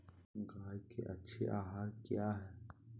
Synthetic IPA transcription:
ɡaːjkḛʔɐtːʃʰeʔaːɦaːɾkjaɦɛː

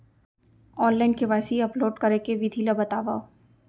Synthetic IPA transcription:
ɔːnlaɪnkeʋaːjsiɐploːɖkɐɾekeʋid̪ʱilɐbɐt̪aːʋaːo

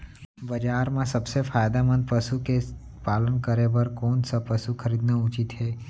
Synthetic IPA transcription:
bəd͡ʒaɾmãsəbsefajd̪amə̃nd̪̚pəʃuke | palənkəɾebəɾkonsəpəsukʰəɾid̪nəut͡ʃit̪ɦe

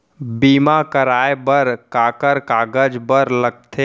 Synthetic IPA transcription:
biːmakəɾaːebəɾkaːkəɾkaːɡəd͡ʒbəɾləɡ̚t̪ʰeː

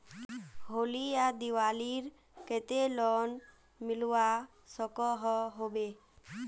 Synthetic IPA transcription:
ɦoliad̪iwaliɾ | ket̪elɔn | milua | sɔkɔɦɔɦobe

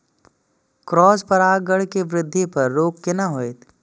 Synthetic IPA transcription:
kɾɔːspɐɾaːɡəɽkeʋɾɪd̪ʱːipɐɾːoːkːɪnaɦoːet̪

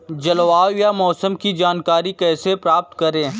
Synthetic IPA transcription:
d͡ʒɐloaːwjamɔːsəmkid͡ʒaːnkaːɾikɛːsepɾaːp̚t̪kɐɾẽː

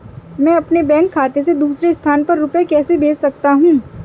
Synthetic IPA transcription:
mɛ̃ːɐpnebɛ̃ːŋkʰːaːt̪esed̪uːsɾest̪ʰaːnpɐɾːʊpjakɛːsebeːssɐk̚t̪aɦũː

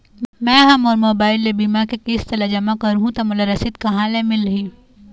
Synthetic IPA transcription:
mɛ̃ːɦɐmɔːɾmoːbaːɪlːebiːmakekeːst̪ɐld͡ʒɐmakɐɾɦũt̪amʊlaɾɐsɪt̪kɐɦãlemɪlɦiː

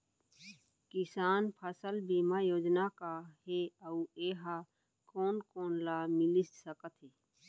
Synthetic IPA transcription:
kɪsaːnpʰəsəlbiːmajoːd͡ʒnakaɦeəueːɦa | koːnkoːnlaːmɪlɪssəkət̪ʰɦeː

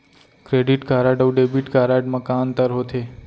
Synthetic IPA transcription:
kɾeɖiʈkaɾaɖəʋɖebiʈkaɾaʈmãkant̪əɾɦot̪ʰe

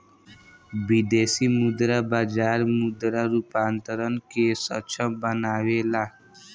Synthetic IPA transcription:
bid̪eːsimʊd̪ɾabaːd͡ʒaːɾmʊd̪ɾaɾupaːnt̪əɾənkesət͡ʃʰə̃bənaːʋeːlaː

